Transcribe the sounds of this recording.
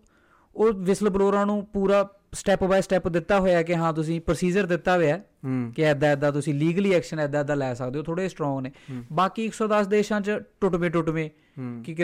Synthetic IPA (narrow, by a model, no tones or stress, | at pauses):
oːʋɪsəlbloːɾãːnũːpuːɾaː | sʈɛːpbaːsʈɛːpd̪ɪt̪ːaːɦoːjaːkɪɦãːt̪ʊs̬ĩːpəɾsiːd͡ʒəɾd̪ɪt̪ːaːʋeːɛː | kɪɛːd̪aːɛːd̪aːt̪̬ʊsĩːliːɡəliːɛːkʃənɛːd̪aːɛːd̪aːlɛːsək̚d̪eːoːt̪ʰoːɽeːsʈɾɔ̃ːŋɡneːbaːkiːɪksɔːd̪əsd̪eːʃãːt͡ʃʈʊʈʋẽːʈ̬ʊʈʋẽː | kɪ